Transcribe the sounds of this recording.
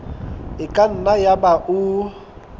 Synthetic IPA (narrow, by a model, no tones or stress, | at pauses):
ɪkʼan̩najabaʔʊ